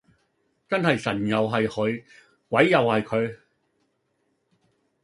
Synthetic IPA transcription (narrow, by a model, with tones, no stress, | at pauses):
t͡sɐ˥nhɐ˨jsɐ˨˩njɐ˨wɦɐ˨jhɵ˨˧ɥ | kwɐ˨˥jːɐ˨whɐ˨jkʰɵ˨˧ɥ